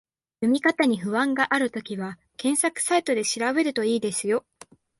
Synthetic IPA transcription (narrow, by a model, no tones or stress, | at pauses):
jɯmʲikat̪aɲ̟iɸɯ̟βãŋɡaʔaɾɯ̟t̪o̞kʲiβa | kẽ̞ɰ̃sakɯ̥sait̪o̞d̪e̞ɕiɾaβe̞ɾɯ̟t̪o̞iːd̪e̞sɨjo̞